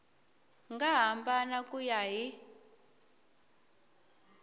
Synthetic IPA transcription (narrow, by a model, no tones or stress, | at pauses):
ŋɡaɦambanakujaɦi